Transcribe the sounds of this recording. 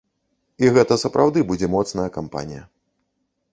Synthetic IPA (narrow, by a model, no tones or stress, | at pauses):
iɣɛt̪ɐsɐpɾʔawd̪ɨbud͡zʲɛmɔt̪snɐjɐkampa̰nʲijɐ